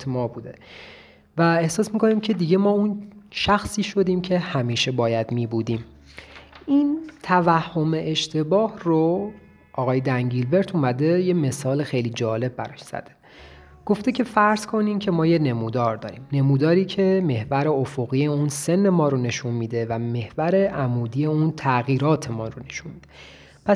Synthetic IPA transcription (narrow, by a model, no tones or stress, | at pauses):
mɒːbuːd̪e | væe̞hsɒːsmiːkʰo̞niːmcʰe̞d̪iɟe̞mɒːunʃæxsiːʃo̞d̪iːmcʰe̞hæmiːʃe̞bɒːjæd̪miːbuːd̪iːm | int̪ʰævæhːo̞meʔeʃt̪ʰe̞bɒːhro | ʔɒːɣɒːjed̪æŋɟilbe̞ɾt̪ʰumæd̪e̞je̞me̞sɒːlexejliːd͡ʒɒːle̞b̚bæɾɒʃz̥æ̰d̪̥e̥ | ɡ̥o̞ft̪ecʰe̞fæɾz̥kʰo̞niːmcʰe̞mɒːjene̞muːd̪ɒːɾd̪ɒ̰ːɾḭːmne̞muːd̪ɒːɾiːcʰe̞me̞hvæɾe̞ofoɣiːjeunse̞nːe̞mɒːɾone̞ʃunmiːd̪e̞væme̞hvæɾe̞ʔæmuːd̪ije̞unt̪ʰæɣiːɾɒːt̪ʰe̞mɒːrone̞ʃunmiːd̪̥e | pʰæ